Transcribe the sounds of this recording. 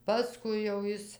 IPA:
pɐˈskʊɪ jɛʊ ˈjɪs

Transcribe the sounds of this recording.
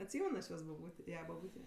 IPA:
ɐtʲˈsʲiːmʲɛn ɐʃ ˈjoːs bɐˈbuːtʲeːˈjɛ bɐˈbuːtʲeː

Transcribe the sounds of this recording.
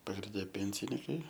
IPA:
pɐɡrʲɪnʲˈdʲɛ ˈpʲeːnʲsʲɪnʲiːkɐɪ

